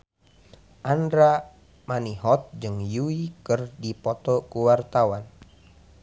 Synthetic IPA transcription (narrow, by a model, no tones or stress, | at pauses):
ʔandɾa | maniɦɔt̪̚d͡ʒɨŋjuikɨrdipɔt̪ɔkuwart̪awan